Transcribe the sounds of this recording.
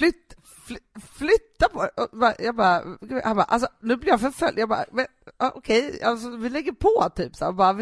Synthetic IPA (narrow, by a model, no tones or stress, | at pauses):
flʏt̪ː | flflʏt̪ːapʰɔɛʔɔbɑjɑːɡbɑːɾɡhanbɑ̰ːʔa̰lsɔnʉ̟blɪɾjafœɾfœ̰lʔjɑːɡbɑ̰ːmɛnɑːʔɔkʰɛjals̬ɔvɪlɛɡːəɾpʰɔt̪ʰyːpsa̰ɾbɑːɾvɪ